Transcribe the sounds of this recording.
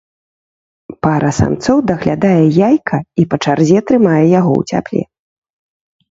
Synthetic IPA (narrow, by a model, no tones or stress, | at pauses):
paɾʔɐsa̰mt̪sɔwd̪ɐɣlʲad̪ajɛjajkʰɐipɐt͡ʂarzʲɛt̪ɾɨmajɛjaɣɔ̰wt͡sʲa̰plʲɛ̰